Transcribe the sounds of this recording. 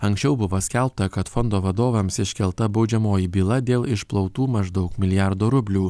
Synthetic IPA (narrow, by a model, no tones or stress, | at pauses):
ɐŋʲksʲt͡ʃʲɛʊbʊʋoːsʲkʲɛlˠp̚t̪ɐkɐt̪fɔnd̪oːʋɐd̪oːʋɐmsɪʃʲkʲɛlˠt̪ɐbɒʊd͡ʒʲɛmoːjibʲiːlˠɐd̪ʲeːlˠɪʃplˠɒʊt̪uːmɐʒd̪ɒʊkmʲɪlʲɪjɑɾd̪oːɾʊbʲlʲuː